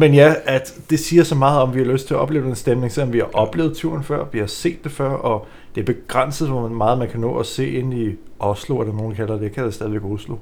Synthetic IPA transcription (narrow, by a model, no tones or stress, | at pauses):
menjææd̥d̥e̝siːɐsɒ̽mɑ̈ːð̞̩ˠɒ̽mʋihɑ̈løsd̥t͡sʰe̝æɐɒ̽b̥le̝ːʊd̥ensd̥emne̝ŋsel̰ɒ̽mʋihɑ̈ʔɒ̽b̥le̝ːʊð̞̩ˠt͡sʰuɐnfɶɐ̰ʋihɑ̈se̝̰ːd̥ːe̝fɶɐ̰ɒ̽ | d̥e̝æɐb̥e̝ɡ̥ʁan̰səð̩ˠʋɒmɑ̈ːð̩ˠmænkʰænɔ̰ːɒse̝̰ːe̝nn̩i | ʔɒ̽sloæɾ̥ɑ̈no̝ːn̩kʰælɐd̥ekʰæd̥æsd̥ɛðˠiʋeɡ̥ʁuslo̰